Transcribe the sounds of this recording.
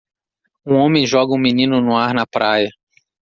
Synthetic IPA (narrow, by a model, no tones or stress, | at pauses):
ũõmẽj̃ʒɔɡɐũminĩnʊnʊ̃aɾnɐpɾʔajɐ